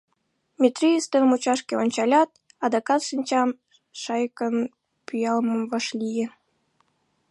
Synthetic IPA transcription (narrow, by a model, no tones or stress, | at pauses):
mʲit̪rʲijist̪ənmut͡ɕɑʃkʲeonʲt͡ɕɑlʲɑt̪̚ | ɑd̪ɑkɑt̪ʃɨnʲt͡ɕɑm | ʃɑjkən | pʲyjɑlməmvɑʃlʲije